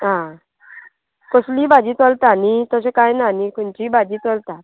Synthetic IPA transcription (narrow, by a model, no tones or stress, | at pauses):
ɦã | kɔsliːbad͡ʑiːt͡solt̪anit̪əsekajnanikuɳt͡ɕiːbad͡ʑiːt͡solt̪at̪